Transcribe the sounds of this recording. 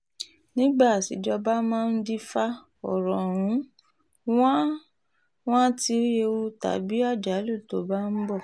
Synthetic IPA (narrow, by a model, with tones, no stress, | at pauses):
nĩ˦ɡ͡ba˦˨sḭ˨˦d͡ʒɔ˧ba˦mãː˦˧n̩˦di˦fa˦ | ɔ̰˨ɾɔ̃˨ɾ̃ũ˨˦ | wã˦ | w̃ã˦ti˧˦e˧u˦ta̰˨˦bi˦a˦˨d͡ʒa˨˦lu˦˨to˨˦ba˦n̩˦bɔ˦˨